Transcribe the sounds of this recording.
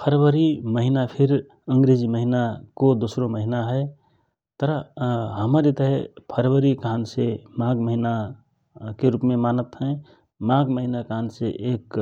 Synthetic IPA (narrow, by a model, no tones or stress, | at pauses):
pʰəɾʋəɾiməɦinapʰiɾ | əŋɡɾed͡ʒiməɦinakod̪osɾoməɦinaɦɛ | t̪əɾaɦəməɾet̪ɦepʰəɾʋəɾikaɦnsemaɡməɦina | keɾupmemanət̪ɦɛ̃ | maɡməɦinakaɦnsḛʔek